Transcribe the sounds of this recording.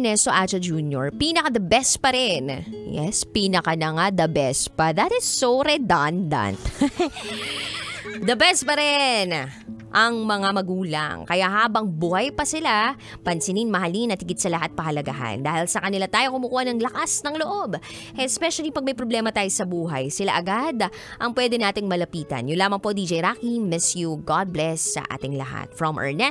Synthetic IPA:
nɛsoʔat͡ʃɐd͡ʒuːnjoɹpinɐkad̪ɐbɛspɐɾɪnjɛ̰spiːnɐkanɐŋad̪ɐbɛspɐðɐt̪ɪsːowɾɛd̪ond̪ɐ̰nt̪ | d̪ɐbɛs̚pɐɾɛnʔɐŋmɐŋamɐɡuːlɐ̰ŋkɐjaʔɦaːbɐŋbʊhajpɐsɪla | pɐnsɪninmɐɦɐlinɐt̪ɪɡɪd̪sɐlɐɦat̪̚pɐhɐlɐɡa̰ʔa̰nd̪aːhɪlsɐkɐnɪlat̪aːjokʊmukuːhɐnɐŋlɐkasnɐŋloʔob | ʔɛspɛʃɐlipɐɡ̚mɐjpɾoblɛːmɐt̪aːjosɐbuːɦɐjsɪlaʔɐɡad̪ | ʔɐŋpwɛd̪ɛnaːt̪ɪŋmɐlɐpiːt̪ɐ̰njʊnlaːmɐŋpo̞d̪iːd͡ʒɛjɾaːkimɛsjuɡad̪̚blɛsːɐ̰ʔa̰ːt̪ɪŋlɐ̰ha̰t̪fɹɔmʔɛ̰ɹnɛ

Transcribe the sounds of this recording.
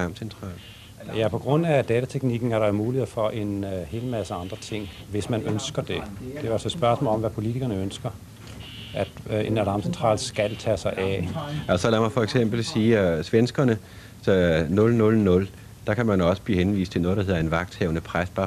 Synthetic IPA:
ɑmsent͡sʰʁɑ̈ːl | jæpʰɒ̽ɡ̥ʁɔ̽n̰æd̥ɛːt͡sʰæt͡sʰeɡ̥niɡ̥n̩æɐɾɑ̈omuːlihḛfɒ̽ʔe̝nhe̝ːləmæsəɑ̈nd̥ʁɐt͡sʰe̝ŋ̰ | ʋe̝smænønsɡ̥ɐd̥e̝d̥eæælsɒed̥sb̥ɶɐsmɔ̰ːlɒ̽mʋæpʰo̝lit͡sʰiɡ̥ɐnəønsɡ̥ɐ | ʔæd̥e̝nælɑ̈ːmsent͡sʰʁɑ̰̈ːlsɡ̥ælt͡sʰɛsɑ̈ɪʔæælsɒlæmɑ̈ɪfɒeɡ̥sem̰b̥l̩siːsʋensɡ̥ɐnə | sɒnɔ̽lnɔ̽lnɔ̽l | d̥ɑ̈kʰæmænɒ̽sə̥b̥liːhenʋḭːsd̥t͡sʰe̝nɔːdɑhe̝ðˠɐe̝nʋɑ̈ɡ̥̚d̥hɛʊnəpʰʁasb̥ɑ̈ː

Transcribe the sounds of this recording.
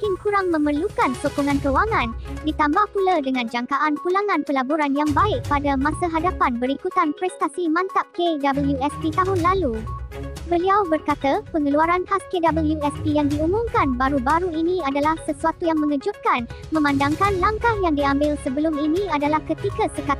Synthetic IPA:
kɪnkuɾaŋmə̃mərlukansukuŋãnkəwaŋãndit̪ambahpuladəŋãnd͡ʒaŋkaʔankulaŋãnpəlabuɾanjaŋbaɪk̚padamãsaɦadapanbəɾikut̪anpɾɛst̪asimãnt̪aʔ̚kedabəljuɛspit̪aɦʊnlalu | bəliawbərkat̪apəŋəluaɾanhaskedabəljuɛspijaŋdiumʊmkanbaɾubaɾuinĩadalahsəsuat̪ujaŋmə̃ŋə̃d͡ʒʊt̪̚kan | mə̃mãndaŋkanlaŋkahjaŋdiambɪlsəbəlʊminĩadalahkət̪ikasəkat̪̚

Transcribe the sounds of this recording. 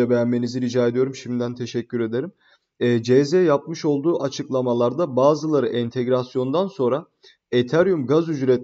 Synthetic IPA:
abejænme̞niziɾid͡ʒaːed̪ijo̞ɾumʃimd̪ænt̪ʰe̞ʃɛcʲːyɾe̞d̪e̞ɾim | ɛːd͡ʒezejap̚mɯʃo̞lˠd̪uːʔat͡ʃʰɯklˠamalˠaɾd̪abaːzɯlˠaɾɯʔɛnt̪ʰeɡɾasjo̞nd̪anso̞nɾa | et̪ʰæɾjumɡazyd͡ʒɾɛt̪

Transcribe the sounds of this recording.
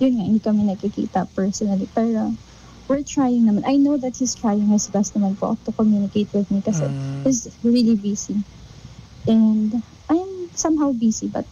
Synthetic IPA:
jʊnŋaʔɪnd̪ikɐmɛnɐɡ̚kikḭːt̪ɐpɛɹsɔnɐlipɛːɹo | wɪɹt̪ɹajɪŋnɐmãnʔɐjnowðɐt̪̚hist̪ɹajɪŋhɪsbɛst̪nɐmanpoʔɐ̰k̚t̪ʊkomjunɪkejt̪̚wɪðmikɐsɛ̰hɪsɹilibiːsi | ʔɛnd̪ | ʔɐjmsɐ̃mɦawbisibɐ̰t̪̚

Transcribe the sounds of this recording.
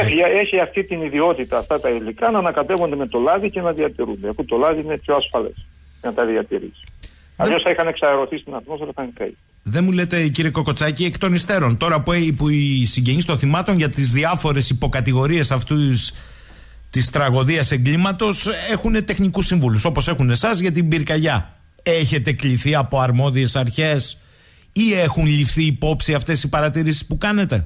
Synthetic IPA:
eie̞çiɐft̪it̪iniðio̞t̪it̪ɐːft̪ɐt̪ɐilikɐnɐːnɐkɐt̪e̞vo̞nd̪eme̞t̪o̞lɐðice̞nɐðiɐt̪iɾund̪eɐfut̪o̞lɐðiinepçoɐsfɐle̞̰s | cenɐt̪ɐðiɐt̪iɾḭsi̥ | ɐ̰ʎo̞sθɐixɐne̞ksɐeɾo̞θist̪inɐɾtmostoɾɐθɐŋkḛj | ðe̞mule̞t̪e̞ciɾieko̞ko̞t͡sɐciekt̪o̞nist̪e̞ɾo̞nt̪o̞ɾɐpuepuisiɲɟe̞ɲist̪o̞nθimɐt̪o̞nʝɐt̪izðiɐfo̞ɾe̞sipo̞kɐt̪iɣo̞ɾie̞sɐft̪us | t̪ist̪ɾɐɣo̞ðiɐse̞ŋɡlimɐt̪o̞se̞xune̞t̪e̞xnikusiɱvuluso̞po̞se̞xune̞sɐzʝɐt̪̬ibiɾkɐʝɐ | e̞çe̞t̪e̞kliθiɐpo̞ɐɾmo̞ðie̞sɐɾçe̞s | ie̞xunlifθiːpo̞psiɐft̪e̞sipɐɾɐt̪iɾisi̥spukɐne̞t̪e̞

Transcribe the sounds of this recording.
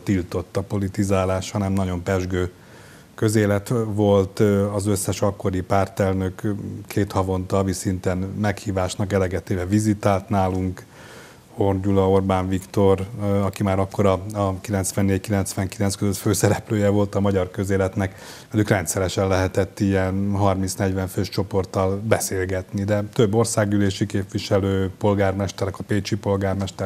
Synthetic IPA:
t̪ilt̪o̞t̪ːɒpo̞lit̪izaːlaːʃhɒnɛmnɒɟo̞mpɛʒɡøː | kø̞zeːlɛt̪ʋo̞lt̪ɒzøsːɛʃɒkːo̞ɾipaːrt̪ɛlnø̞kkʰeːt̪hɒvo̞nt̪ɒvisint̪ɛnmɛkhiːvaːʃnɒkɛlɛɡɛt̪eːvɛvizit̪aːlt̪naːluŋk | ho̞rɟulɒo̞rbaːɱvikt̪o̞rɒkimaːɾɒkːo̞ɾɒɒkilɛnt̪sʋɛnːeːɟckilɛnt̪sʋɛŋkilɛnskøzøt̪føːsɛɾɛpløːjɛvo̞lt̪ɒmɒɟɒrkø̞zeːlɛt̪nɛk | mɛdukrɛnt̪sɛɾɛʃɛnlɛɦɛt̪ɛt̪ːiɛnɦɒrminsnɛɟʋɛɱføːʃt͡ʃo̞po̞rt̪ːɒlbɛseːlɡɛt̪nid̪ɛt̪øbːo̞rsaːɡyleːʃikeːpʋiʃɛløːpo̞lɡaːrmɛʃt̪ɛɾɛkɒpeːt͡ʃipo̞lɡaːrmɛʃt̪ɛ

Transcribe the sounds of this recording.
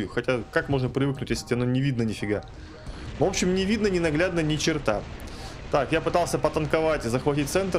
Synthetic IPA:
jʊxɐtʲakakmo̞ʐnəpɾʲɪvɨknʊtʲjesʲtʲɪɐnonʲɪvʲid̪̚nənʲɪfʲɪɡa | vo̞pɕːɪmnʲɪvʲid̪nənʲɪnɐɡlʲad̪nənʲɪt͡ɕɪrt̪at̪akjapɨt̪ɑlˠsʲəpət̪ənkɐvatʲɪzəxvɐtʲit̚ʲt̪sɛnt̪

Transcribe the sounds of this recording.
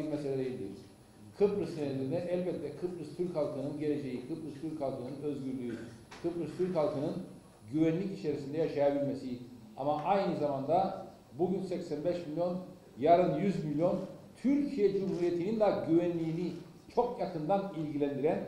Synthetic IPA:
imɛselʲɛd̪ejilʲd̪ḭɾ̥ | kʰɯpɾɯst̪ʰed̪ʲiɾinɛʔɛlʲbɛt̪ʰːʲɛkʰɯpɾɯst̪ʰyɾchalˠkʰɯnɯnɟe̞le̞d͡ʒe̞jikʰɯpɾɯst̪ʰyɾʲchalˠkʰɯnɯnø̞zɡyɾlʲyykʰɯpɾɯst̪ʰyɾchalˠkʰɯnɯn | ɟyvænlʲicit͡ʃʰe̞ɾisind̪ɛjaʃajabilʲmesi | a̰maʔajnɯzamand̪a | buɟynsɛcsænbɛʃmilʲjo̞n | jaɾɯnjyzmilʲjo̞nt̪ʰyɾcʰijɛd͡ʒumhuɾijet̪ʰinind̪aɟyvænlʲiːni | t͡ʃʰo̞kjakɯnd̪anilʲɟilʲænd̪iɾæn

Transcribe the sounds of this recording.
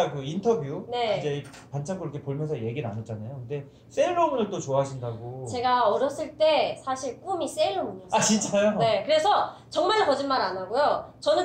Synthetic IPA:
kɯintʰʌbjune̞id͡ʑe̞ | pant͡ɕʰakʰɯɾʌkʰepoɭmjʌnsʰʌje̞ɡina̰nʌt̚t͡ɕ͈anajokɯnde̞ | s͈eɭːomnɯɭt͈ot͡ɕoaɦaɕʰindaɡot͡ɕe̞ɡaʌɾjʌs͈ɯɭt͈e̞sʰaɕʰiɭk͈umis͈eɭːomuɲʌat͡ɕint͡ɕ͈ajone̞kɯɾe̞sʰʌt͡ɕʌŋmaɭkʌd͡ʑinmaɾanaɡojot͡ɕʌnɯ

